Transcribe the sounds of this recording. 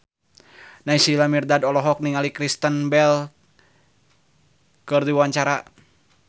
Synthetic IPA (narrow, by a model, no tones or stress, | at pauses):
naisilamirdadɔlɔɦɔk̚niŋalikɾist̪ənbɛl | kɨrdiwaɲt͡ʃaɾa